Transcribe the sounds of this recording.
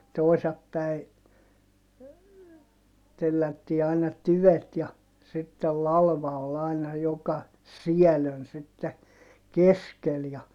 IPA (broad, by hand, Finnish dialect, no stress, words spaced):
toisɑp pæi telːætːiː ɑinɑ tyʋet jɑ sitːel lɑlʋɑ ol ɑinɑ jokɑ siæløn sitːe keskel jɑ